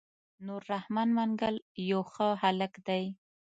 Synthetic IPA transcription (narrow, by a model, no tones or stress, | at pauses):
noɾːahmanmaŋɡaljawxəɦaləkd̪aj